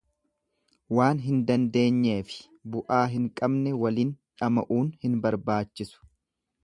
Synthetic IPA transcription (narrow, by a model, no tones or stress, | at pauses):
waːnɦɪnd̪ɐnd̪e̞ːɲːe̞ːfɪ̥ | bʊʔaːɦɪŋkʼɐbnɛwɐliːnᶑɐmɐʔuːnhɪnbɐɾbaːt͡ʃːɪsʊ̥